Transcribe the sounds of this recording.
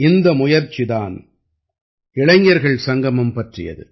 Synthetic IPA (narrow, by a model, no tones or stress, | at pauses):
ɪnd̪ɐmʊjɐɾt͡ʃːɪðaːn | ɪɭɐŋːjɐɾɣɐɭsɐŋɡɐmɯmpɐʈrɪ̰jɐ̰ðɯ̰